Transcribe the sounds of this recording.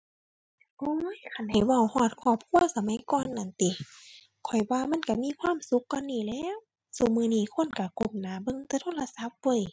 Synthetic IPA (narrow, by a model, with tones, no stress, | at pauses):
ʔoː˧˦jkʰa˧˩nha˧˩˨jwa˧˩˨whɔː˧˩t̪̚kʰɔː˧˩p̚kʰu˧˥˨ɐsa˧ma˧˦jkɔː˧˨nʔa˨˩˨nt̪i˨˧ | kʰɔ˨˩jwaː˧ma˧˥˨nka˧˩miː˧˥˨kʰwaː˧˥˨msu˧˦kːɔː˧˨nːiː˧˩lɛː˧˥˨w | su˧˩mɯː˧˨niː˧˩˨kʰo˧˥˨nka˧˩ko˧˩p̚naː˨˦bɤ˧˨ŋt̪ɛː˧t̪ʰo˧˥˨la˧sa˧˦p̚bɤː˧˥˨j